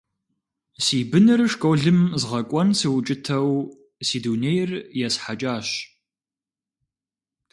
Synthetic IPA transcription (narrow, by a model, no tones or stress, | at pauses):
siːbɨnɨrʂkʼowɮɨmzʁɐkʷʼɔnsɨwt͡ʃʼɪtʰɐw | siːduːnejrjasħat͡ʃʼaːɕ